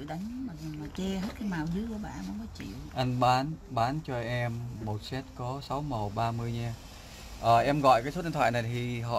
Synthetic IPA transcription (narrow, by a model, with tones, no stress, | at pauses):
ɗa˨˦jŋ˨˧˦ma˨˩˨maː˨˩t͡ɕe˧ɦe˦˥t̚ka˨˦jmaː˨˩wzɨ˨˦ku˧˩˦ɓa̰ː˧˨˧ma˨˦kɔ˨˦t͡ɕḭ˧˨wʔa˧nɓaː˨˦nɓaː˨˦nt͡ɕɔ˧ʔɛ˧mːo˨˩t̚sɛ˦˥t̚kɔ˨˦sa˨˦wmə˨˩wɓaː˧mɨ˧əjɲaː˧ | ʔəː˨˩ʔɛ˧mɣɔ̰˧˨jkaː˨˦so˦˥ɗnt̪ʰwa̰ː˧˨jna˨˩t̪ʰi˨˩ɦɔ̰˧˨